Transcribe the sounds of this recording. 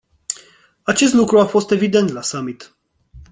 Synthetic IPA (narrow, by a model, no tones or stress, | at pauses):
at͡ʃe̞s̬t̪lukɾuafo̞st̪e̞vid̪e̞nt̪lasamit̪